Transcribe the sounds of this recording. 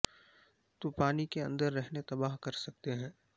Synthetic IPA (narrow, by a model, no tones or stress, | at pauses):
t̪opaːnikeɐ̰̃nd̪əɾːɛɦnet̪ɐbaːɦkɐɾsɐk̚t̪eɦɛ̃ː